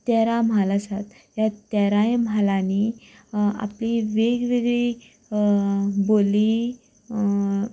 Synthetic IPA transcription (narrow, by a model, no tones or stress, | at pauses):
t̪ɛɾãm̤alasat̪ | jat̪ɛɾajmalani | a̰pliʋeɡʋeɡɭi | boli